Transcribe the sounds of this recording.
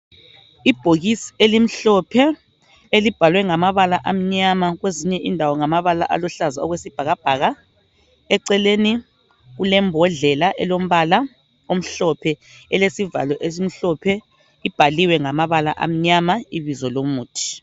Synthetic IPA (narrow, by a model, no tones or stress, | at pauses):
ib̥ʱoɣisi̥elim̩ɬɔpʰɛ | elib̥ʱalwɛŋamaβalaʔam̩ɲamaɣweziɲɛʔindʱawɔŋamaβala̰ʔa̰lɔɬazaɔɣwesib̥ʱaɣab̥ʱaɣa | ɛǀɛleːni | ɣulɛmbʱɔɮɛlaʔɛlom̩βala | om̩ɬɔpʰɛ | ɛlesiva̰lɔʔezim̩ɬɔpʰɛ | ib̥ʱaliwɛŋamaβala̰ʔa̰m̩ɲamaiβizɔlomuːtʰi̥